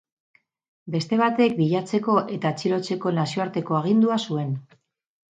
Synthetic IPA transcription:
be̞st̪e̞β̞at̪e̞k̚biʎat͡se̞ko̞ʔe̞t̪at͡ʃilo̞t͡se̞ko̞nasio̞aɾt̪e̞ko̞aɣ̞ind̪uasue̞n

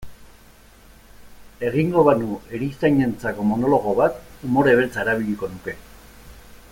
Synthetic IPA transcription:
e̞ɣ̞iŋɡo̞βanue̞ɾist̪ajɲe̞nt͡sako̞mo̞no̞lo̞ɣ̞o̞βat̪umo̞ɾe̞βe̞lt͡sae̞ɾaβ̞iʎiko̞nuke̞

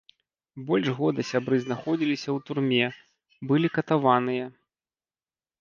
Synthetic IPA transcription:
bɔlʲʐɣɔd̪ɨsʲabɾɨznaxɔd͡zʲilʲisʲɐwt̪urmʲɛ | bɨlʲikɐt̪avanɨjɐ

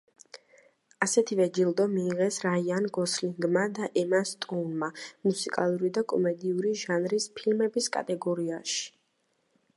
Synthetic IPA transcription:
asɛt̪ʰivɛd͡ʒilˠd̪ɔmiːʁɛsɾaianɡɔsliŋɡmad̪aʔɛmast̪ʼɔnmamusikʼa̰lˠuɾid̪akʼɔmɛd̪iuɾiʒanɾispʰilmɛbiskʼa̰t̪ʼɛɡɔɾiaʃi̥

